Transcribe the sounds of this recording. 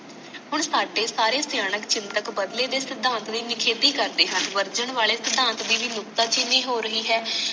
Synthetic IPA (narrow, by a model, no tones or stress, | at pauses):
ɦʊɳsaːɖeːsaːɾeːsjaːnəkt͡ʃɪnt̪əkbəd̪leːd̪eːsɪd̪ãːnt̪d̪iːnɪkʰeːd̪iːkəɾd̪eːɦənʋəɾd͡ʒəɳʋaːleːsɪd̪ãːnt̪d̪iːʋiːlʊkt̪aːt͡ʃɪniːɦoːɾəɦiːɦɛː